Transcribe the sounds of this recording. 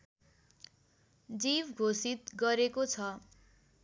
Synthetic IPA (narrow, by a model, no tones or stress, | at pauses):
d͡zibɡʱosit̪̚ɡʌɾekot͡sʰʌ